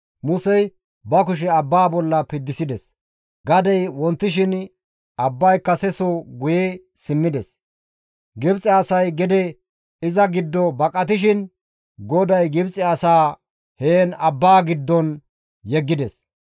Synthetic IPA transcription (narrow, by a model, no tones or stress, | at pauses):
mʊsɛj | bɐk̬ʊʃ̬ɛɐbːaːbɔlːɐpɪd̪ːɪsɪd̪ɛs | ɡɐd̪ɛjwɔnt̪ːɪʃ̬ɪn | ɐbːɐjkːɐsɛsɔɡʊje | sɪmːɪd̪ɛs | ɡɪbt͡sʼɛɐsɐjɡɛd̪ɛ | ɪzɐɡɪd̪ːɔbɐkʼːɐt̪̬ɪʃ̬ɪn | ɡɔd̪ɐjɡɪbt͡sʼɛɐsaː | heːnɐbːaːɡɪd̪ːɔn | jɛɡːɪd̪ɛs